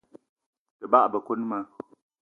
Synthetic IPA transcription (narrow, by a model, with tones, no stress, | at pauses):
tɨ˨ba˦ʔbə˨ko˦n˦ma˦